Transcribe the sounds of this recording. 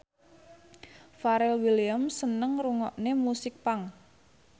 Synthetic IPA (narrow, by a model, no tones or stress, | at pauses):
faɾɛlwiliamsənəŋruŋɔʔnemusɪk̚paŋ